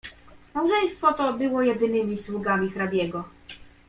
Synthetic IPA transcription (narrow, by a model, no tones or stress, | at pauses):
mawʐɛj̃st̪fɔt̪ɔbɘwɔjɛd̪ɘnɘmʲiswuɡamʲixɾabʲjɛɡɔ